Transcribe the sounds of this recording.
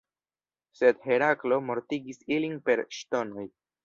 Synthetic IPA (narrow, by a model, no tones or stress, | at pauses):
sed̪ɦeɾaklo̞moɾt̪iɡisiliŋpe̞ɾʃt̪o̞noj